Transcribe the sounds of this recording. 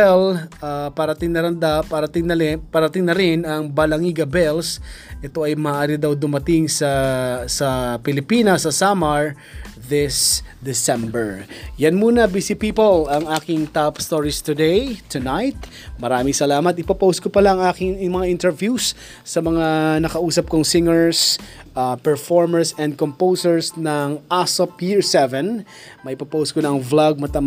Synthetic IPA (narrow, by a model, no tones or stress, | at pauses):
ɛlapɐɾɐt̪ɪŋnɐɾɐnd̪apɐɾɐt̪ɪŋnɐpɐɾɐt̪ɪŋnɐɾɪnɐŋbɐlɐŋiɡɐbɛlsʔɛt̪o̞ɐjmɐːʔaːɾɪd̪awd̪ʊmɐt̪ɪŋsɐsɐpɪlɪpiːnɐsɐsamɐɹ | ðɪsd̪ɪsɛmbɛɹjɐnmuːnɐbisipiːpolɐŋaːkɪŋt̪apst̪oɹist̪ʊd̪ɛjt̪ʰʊnajt̪̚ | mɐɾaːmɪŋsɐlaːmɐt̪̚ɪpɐpowskopɐlaɐŋaːkɪŋmɐŋaʔɪnt̪ɛɹvjusː | ɐmɐŋanɐkɐʔuːsɐp̚kʊŋsɪŋɛɹs | ʔapɛɹfoɹmɛɹsɛ̃nd̪̚kɔmpowsɛɹsnɐŋʔasopjɪɹsɛvɛ̃n | mɐʔɪpɐpowskʊnɐʔɐŋvlaɡ̚mɐt̪ɐ